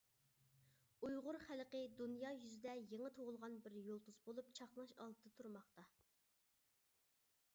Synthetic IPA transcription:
ujʁʊɾχælqəd̪unjɑjyzɪd̪ɛjeŋət̪ʰoʁʊlˠʁɑnbɪɾjolˠt̪ʰuzbolˠup̚t͡ʃʰɑχlˠɑʃɑ̰lˠd̪ɨd̪ɨt̪ʰuɾmɑχt̪ɑ

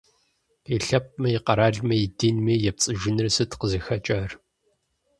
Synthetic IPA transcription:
iɬɐp̚ʼmɐjiqɐɾaːɮmɐjɪdinmiːjɛp̚t͡sʼɨʒɪnɨrsɨtqəzɨxɐt͡ʃʼɐr

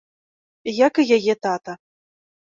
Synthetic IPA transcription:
jakɨjajɛt̪at̪ɐ

